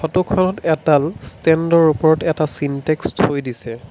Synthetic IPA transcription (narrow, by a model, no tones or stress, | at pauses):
ɔtukʰɔnɔtɛtalstɛndɔɹupɔɹɔtɛtasintɛksthojdisɛ